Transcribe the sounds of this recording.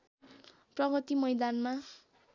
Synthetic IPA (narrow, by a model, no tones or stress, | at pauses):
prʌɡʌt̪imʌjd̪anma